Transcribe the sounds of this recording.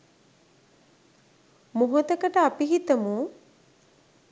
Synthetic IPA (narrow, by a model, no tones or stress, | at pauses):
moɦot̪əkəʈəapiɦit̪əmuː